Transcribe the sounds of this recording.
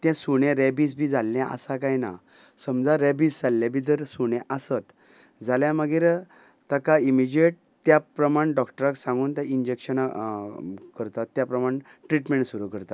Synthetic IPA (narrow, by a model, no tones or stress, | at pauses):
t̪jɛ̃suɽ̃ɛ̃ɾɛbisbʱid͡zalːãʔə̰sakajna̰ | səmd͡zaɾɛbisd͡zalːabʱit̪̬əɾsuɽ̃jɛ̃ʔəsət̪ | d͡zaljãməɡiːɾ | t̪əkaimid͡ʑeʈ̚ | t̪japɾəmaɽ̃ɖɔkʈəɾaksãŋɡuːnt̪ãind͡ʑekɕəna | kəɾt̪at̪ːjapɾəmaɳ | ʈɾiʈmẽɳʈsuɾukəɾt̪at̪